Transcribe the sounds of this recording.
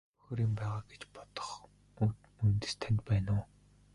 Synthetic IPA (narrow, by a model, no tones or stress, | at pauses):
pu̥x̆ʲɾiːmpæːʁaːɡ̥et͡ɕpɔt̪ɞ̥̆χ | unt̪ɘ̆st̪ʰænʲt̪pæːnʊː